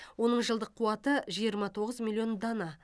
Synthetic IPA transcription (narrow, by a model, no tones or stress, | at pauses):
wo̞nəɴʒəlˠd̪əqʰːuwɑt̪əʒijəɾmɑt̪ʰo̞ʁəzmilʲːˠjo̞nd̪ɑnɑ